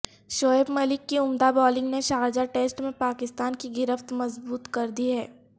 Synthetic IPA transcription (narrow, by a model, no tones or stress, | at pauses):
ʃoːebmɐlɪkːiʊmd̪abɔːlɪ̃ŋɡneʃaːɾd͡ʒaʈeːsʈmẽpaːkɪst̪aːnkiɡɪɾəft̪mɐzbuːt̪kɐɾd̪iɦɛː